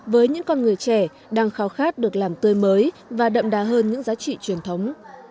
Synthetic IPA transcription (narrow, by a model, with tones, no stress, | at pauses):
vəː˨˦jɲɨ̰˧˥ŋkɔ˧nŋɨ˨˩əjt͡ɕɛ˧˩ | ɗaː˧ŋxaː˨˦wxaː˦˥t̚ɗɨ˨˩ək̚laː˨˩mt̪ɨ˧əjməː˨˦j | vaː˨˩ɗə̰˧˨mɗaː˨˦ɦəː˧nɲɨ̰˧˥ŋzaː˨˦t͡ɕḭ˧˨t͡ɕwi˨˩ənt̪ʰə˨˦wŋ͡m